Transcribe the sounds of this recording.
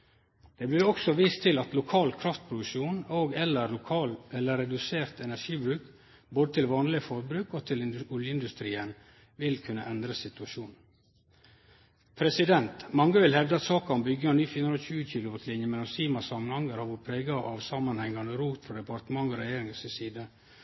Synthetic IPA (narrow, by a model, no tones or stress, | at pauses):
d̪̥ɛːblɪːɾɔksɔʋiːst̪ʰɪlɑt̪lʊkʰɑːlkʰɾɑft̪̚pʰɾʊd̪ʉʃuːnoːɡɛlːəɾʊkʰɑːlɛlːəɾɛd̪ʉseːɾt̪ɛnæʂiːbɾʉːk | boːd̪ət̪ʰɪlʋɑːnlɪəfɔɾbɾʉːkoːt̪ʰɪlɪnɔljəɪnd̪ʉst̪ɾiːən | ʋɪlkʰʉnːə̰ʔɛnd̪ɾəsɪt̪ʉɑʃuːnn̩ | pʰɾɛsɪd̪ɛnt̪mɑŋːəʋɪlhɛʋd̪əɑt̪sɑːkɑɔmbʏɡːəɑnyːfɪːnnɾɔçʉːəçiːlʊʋɔslɪnjəmɛlːɔmsiːmɑsɑmːənhɑŋːəɾhɑʋʊɾpʰɾeːɡɑʔɑʋsɑmːɑnhɛŋːɑnəɾuːt̪fɾɑd̪ɛpɑɾt̪əmɑŋːɔɾɛjeːɾɪŋsɪsiːd̪ə